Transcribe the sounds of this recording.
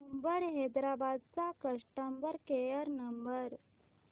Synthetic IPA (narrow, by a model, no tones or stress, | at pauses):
əmbəɾɦed̪ɾabad̪̚t͡sakəʂʈəmbəɾkejəɾnəmbəɾ